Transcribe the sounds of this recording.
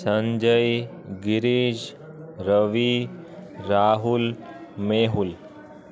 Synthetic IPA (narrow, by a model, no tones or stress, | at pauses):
səɲd͡ʒəj | ɡiɾiːd͡ʑ | ɾəʋi | ɾaːɦulmeɦul